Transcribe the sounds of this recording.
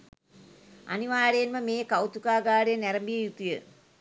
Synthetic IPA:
ɐ̰niʋaːɾejnmɐmeːkɐwt̪ukaːɡaːɽeneɾɐmbijɐjut̪ːijɨ

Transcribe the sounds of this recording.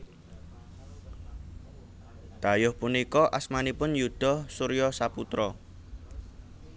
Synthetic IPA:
d̪̥a̤jʊhpunikɔʔasmanipʊnjud̪̥ɔ̤hsuɾijɔsaput̪ɾɔ

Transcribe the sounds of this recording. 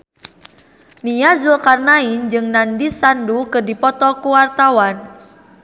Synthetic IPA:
nijazulkarnaind͡ʒɨŋnandisandukɨrdipɔt̪ɔkuwart̪awan

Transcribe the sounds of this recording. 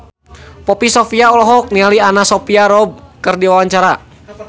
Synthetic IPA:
pɔpisɔfiaɔlɔɦɔk̚nialianasɔpiaɾɔb̚kɨrdiwawaɲt͡ʃaɾa

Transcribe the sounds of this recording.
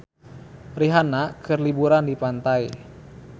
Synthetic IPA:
riɦanakʰɨrlibuɾandipant̪ai

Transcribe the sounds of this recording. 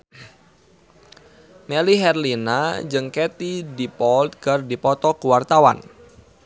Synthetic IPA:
meliɦɛrlina̰d͡ʒɨŋket̪idipɔlt̪̚kardipɔt̪ɔkuwart̪awa̰n

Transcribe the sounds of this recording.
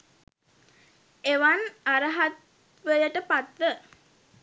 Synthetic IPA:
eʋanaɾəɦat̪ | ʋəjəʈəpat̪ʋə

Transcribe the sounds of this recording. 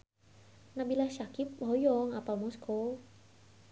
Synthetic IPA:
nabilahʃakip̚ɦɔjɔŋapalmɔskʰo

